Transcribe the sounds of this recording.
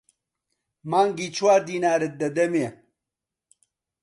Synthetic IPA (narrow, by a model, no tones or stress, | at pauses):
maːŋɡiːt͡ʃʰwaːɾd̪iːnaːɾet̪̚d̪ɐd̪ɐmje